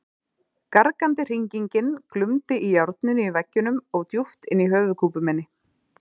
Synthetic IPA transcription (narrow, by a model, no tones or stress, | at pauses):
kaɾkant̪ɪr̥iɲciɲcɪnklʏmt̪ɪʔijawɾt̪nʏnɪivɛcːʏnʏmɔɣt̪juft̪ɪnːiɦœːvʏkʰuːpʏmɛnːɪ